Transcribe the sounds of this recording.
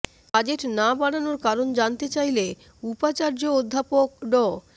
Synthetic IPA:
ad͡ʑeʈnabaɽanoɾkaɾond͡ʑant̪et͡ɕajle | upat͡ɕaɾd͡ʑood̪ʱːapok̚ɖɔ

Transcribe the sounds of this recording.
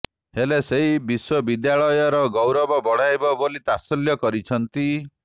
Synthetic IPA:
heleseɦibiswɔbid̪jaɭɔjɔɾɔɡɔwɾɔbɔbɔɽ̤ajbɔbolit̪asɔljɔkɔɾit͡ʃʰɔnt̪i

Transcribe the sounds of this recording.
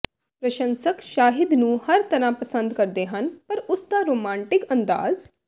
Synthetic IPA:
pɾəʃə̃nsəkʃaːɦɪd̪nũːhəɾt̪əɾãːpəsənd̪kəɾd̪eːɦənpəɾʊsd̪aːɾoːmãːɳʈɪkənd̪a̰ːz

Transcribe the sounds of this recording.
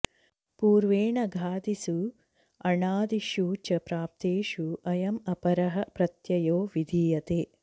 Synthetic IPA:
puːɾʋeːɳɐɡʱaːd̪isu | ɐɳaːd̪iʃuːt͡ʃɐpɾaːp̚t̪eːʃuʔɐjɐmɐpɐɾɐɦɐpɾɐt̪jɐjoːʋid̪ʱiːjɐt̪eː

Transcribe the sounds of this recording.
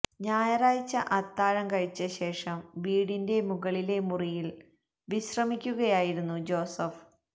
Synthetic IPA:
ɲaːjɐraːjit͡ɕːɐʔɐt̪ːaːɻɐmkɐɻit͡ɕːɐɕe̞ːʂɐmʋiːɽinde̞muɣɐɭile̞murijil | ʋiɕrɐmikʲːuɣɐjaːjiɾunːud͡ʑo̞ːsɐf

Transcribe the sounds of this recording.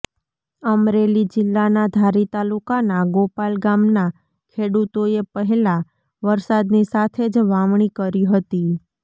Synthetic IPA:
əmɾelid͡ʒɪlːanad̪ʱaɾit̪alukanaɡopalɡamna | kʰeɽut̪oepəɦɛla | ʋəɾsad̪nisat̪ʰed͡ʒʋaʋɳ̃ikəɾiɦət̪i

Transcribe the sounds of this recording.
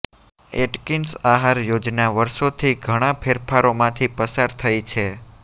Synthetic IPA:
eʈkinsaɦaɾjod͡ʒnaʋəɾʃot̪ʰiɡʱəɽ̃ãpʰeɾpʰaɾomãt̪ʰipəsaɾt̪ʰəjt͡ʃʰe

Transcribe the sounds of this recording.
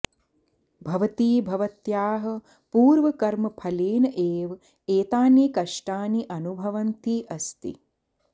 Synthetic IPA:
bʱɐʋɐt̪iːbʱɐʋɐt̪jaːɦɐ̆ | puːɾʋɐkɐɾmɐpʰɐleːnɐʔeːʋ | eːt̪aːnekɐʂʈaːniʔɐnubʱɐʋɐnt̪iːʔɐst̪ḭ

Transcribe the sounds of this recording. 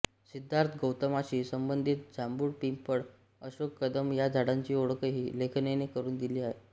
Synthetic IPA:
sid̪ʱːaɾt̪ʰɡəwt̪əmat͡ɕiːsəmbənd̪ʱit̪̚d͡zambuːɽpimpəɽ | əɕokːəd̪əmjad͡zʱaɽaɲt͡ɕiːoɽəkəɦiːlekʰnenekəɾuːnd̪iliːaɦe

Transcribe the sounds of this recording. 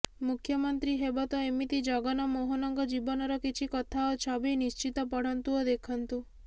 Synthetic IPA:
mukʰjəmɔnt̪ɾiɦebɔt̪ɔemit̪id͡ʒɔɡɔnɔmɔɦɔnɔŋɡɔd͡ʒibɔnɔɾɔkit͡ʃʰikɔt̪ʰaɔt͡ʃʰabinist͡ʃit̪ɔpɔɽ̤ɔnt̪uɔd̪ekʰɔnt̪u

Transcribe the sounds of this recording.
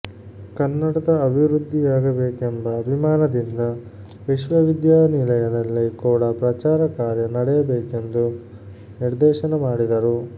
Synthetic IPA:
kɐnːɐɽɐd̪ɐːbʱiʋɾud̪ːiaːɡɐbeːkembɐːbʱimaːnɐd̪ind̪ɐ | ʋiʃʋɐʋid̪jaːnilɐjɐd̪ɐlːikuːɽɐpɾɐt͡ʃaːɾɐkaːɾjɐnɐɽɛjɐbeːke̞nd̪u | niɾd̪ɛːʃɐnɐmaːɽid̪ɐɾu

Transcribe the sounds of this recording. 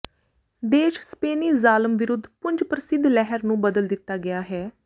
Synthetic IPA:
d̪eːʃspeːniːzaːləmʋɪɾʊd̪ːpʊɲd͡ʒpɾəsɪd̪ʱlɛɦəɾnũːbəd̪əld̪ɪt̪ːaːɡɪjaːɦɛː

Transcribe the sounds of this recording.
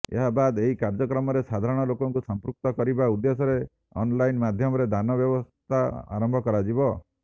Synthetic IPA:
ḛɦabad̪eɦikaɾd͡ʒɔkɾɔmɔɾesad̪ʱaɾɔɽ̃ɔlokɔŋkusɔmpɾuk̚t̪ɔkɔɾibaud̪ːesɔɾe | ɔ̰nlajnmad̪ʱjɔmɔɾed̪ʱanɔbjɔbɔst̪ʰaa̰ɾɔmbʱɔkɔɾad͡ʒibɔ

